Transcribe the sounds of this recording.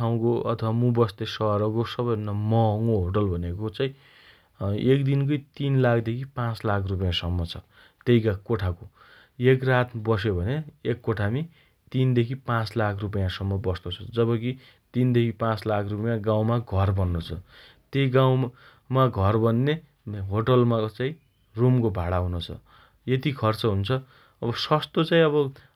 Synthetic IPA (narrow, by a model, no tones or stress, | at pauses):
aw̃koʌ̰t̪ʰʌwamũbʌst̪esʌɾʌkosʌbʌjnamʌŋoɦoʈʌlbʱʌnekot͡saĩ | ekd̪inkojt̪inlakʰd̪ekʰipãt͡slakʰrup̬ʌjãsʌmːʌt͡sʰʌ | t̪ejkakoʈʰako | ekrat̪bʌs̬jobʱʌneekːoʈʰami | t̪ind̪ekʰipãt͡slakʰrup̬ʌjãsʌmːʌbʌst̪ot͡sʰʌ̥d͡zʌβʌk̬i | t̪ind̪ekʰipãt͡slakʰrupʌjãɡãw̃maɡʱʌrbʌnːot͡sʰʌ̰ | t̪ejɡãw̃ | maɡʱʌrbʌnːe | ɦoʈʌlmat͡saĩ | rumkobʱaɽaɦunot͡sʰʌ̰ | jet̪ikʰʌrt͡sʌɦunt͡sʰʌ | ʌbʌsʌst̪ot͡saĩʌβʌ